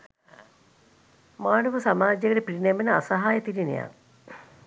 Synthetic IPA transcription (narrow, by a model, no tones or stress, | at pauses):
maːnəʋəsamaːd͡ʒeɡəʈəpiɾinɛmenəa̰saɦaːjət̪iɾinḛja̰